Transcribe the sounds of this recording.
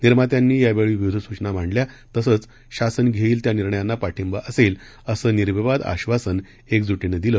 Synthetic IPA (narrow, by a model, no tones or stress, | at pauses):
niɾmat̪janːiːjaʋeɭiːʋiud̪ʱəsut͡ɕnam̤aɳɖlja | t̪əsət͡s | ɕasənɡʱeiːlt̪janiɾɳəjanːapaʈʰimbaʔəsel | əsəːniɾbeʋad̪a̰ɕʋasən | ekd͡zuʈinəd̪ilə